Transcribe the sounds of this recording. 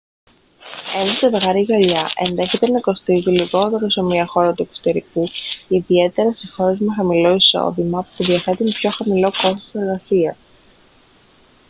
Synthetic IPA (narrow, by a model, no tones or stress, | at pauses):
enet̪eðɣɐɾiɣɐʎɐʔe̞nðe̞çe̞t̪e̞nɐko̞st̪iziliɣo̞t̪e̞ɾose̞miɐxo̞ɾɐt̪ue̞kso̥t̪e̞ɾikuciðie̞t̪e̞ɾɐst̪ixo̞ɾe̞zmexɐmilo̞iso̰ðimɐpuðiɐθe̞t̪unpço̞xɐmilo̞ko̞st̪o̥se̞ɾɣɐsiɐs